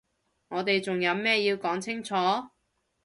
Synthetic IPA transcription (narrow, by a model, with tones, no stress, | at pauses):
ŋɔː˨˧t̪e˨jt͡sʊ˨ŋjɐ˨˧wmɛː˥jiː˧wkɔː˨˥ŋt͡sʰɪ˥ŋt͡ʃʰɔː˨˥